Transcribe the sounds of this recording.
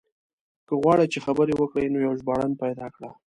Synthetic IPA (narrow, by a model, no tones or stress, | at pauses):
kəɣwɑɽət͡ʃexabəɾewəkɽəjnojawʒbɑɽanpajd̪ɑkɽa